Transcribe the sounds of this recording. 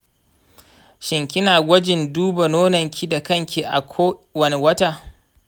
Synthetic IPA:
ʃɪ˨ŋkʲɪ˦naː˨ɡʷɐ˦d͡ʒɪ˨nduː˦ba˨noː˦nɐ˨ŋkʲʰi˦da˨kɐ˦ŋkʲeː˨ʔa̰˨kʷʰoː˦wɐ˦ne˨wɐ˦ta˦˨

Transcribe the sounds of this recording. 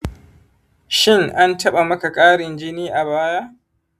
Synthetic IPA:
ʃɪ˦ŋʔa˦ntɐ˦ɓa˨mɐ˦ka˨kʼaː˦ɽɪ˨nd͡ʒɪ˦niː˦ʔa˨baː˦jaː˦ʔ

